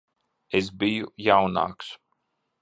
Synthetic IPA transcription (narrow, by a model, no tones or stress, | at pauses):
ezbijujawna̰ːks